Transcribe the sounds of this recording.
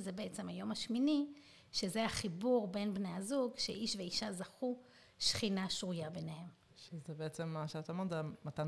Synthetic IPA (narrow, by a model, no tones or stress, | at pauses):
zebeet͡se̞mhajo̞maʃmini | ʃezeaχibuʁbe̞nbnejazuɡʃeʔiʃve̞iʃazaχu | ʃχinaʃʁujabenehe̞m | ʃezebeet͡semːaʃeat̪amatzemat̪a